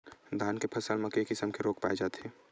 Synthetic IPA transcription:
d̪ʱaːnkepʰɐsəlmẽkeːkɪsəmkeɾoːkpaːed͡ʒaːt̪ɦɛː

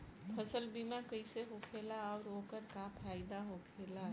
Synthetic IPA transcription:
pʰəsəlbimakəjseɦokʰelaːʊɾokəɾkapʰajd̪aɦokʰela

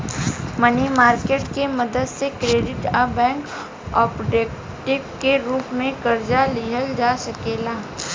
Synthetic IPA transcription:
mənimaːɾkeːʈkemɐd̪əd̪sekɾeːɖɪʈabɛ̃ːŋk | ɔːpd͡ʒeːk | ʈɪbkeɾuːpmẽkɐɾd͡ʒaliːɦəld͡ʒaːsɐkeːlaː

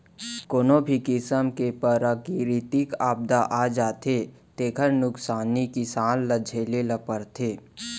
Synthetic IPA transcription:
koːnobʱikɪsəmkepəɾakiɾit̪ɪkaːb̚d̪aʔaːd͡ʒaːt̪ʰeː | t̪eːkʰəɾnʊksaːnikisaːlləd͡ʒʱeːleləpəɾt̪ʰeː

